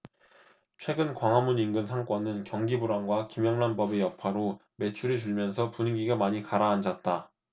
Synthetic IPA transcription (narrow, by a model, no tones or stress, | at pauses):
t͡ɕʰwe̞ɡɯnkwaŋɦamuninɡɯns̬ʰaŋk͈wʌnɯnkjʌŋɡibuɾaŋɡwakimjʌŋnanbʌbejʌpʰaɾo | me̞t͡ɕʰuɾit͡ɕuɭmjʌnsʰʌpuɲiɡiɡamaɲikaɾaːnd͡ʑat̚t͈a